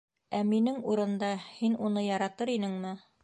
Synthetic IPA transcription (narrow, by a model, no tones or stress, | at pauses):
æminɘŋuɾɤ̆nd̪ɑhinunɤjɑɾɑt̪ɤɾinɘŋmɘ